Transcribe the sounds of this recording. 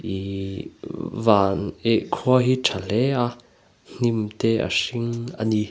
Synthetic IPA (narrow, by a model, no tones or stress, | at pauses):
ʔi | vaneʔkʰuɐɦiʈ͡ʂʰal̥ɛa | n̥imt̪ɛa̰siŋa̰ni